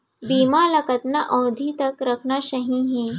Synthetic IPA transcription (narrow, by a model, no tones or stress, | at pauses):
biːmalɐkət̪naʔɔwd̪ʱit̪əkɾəkʰnaɕɐɦĩɦẽ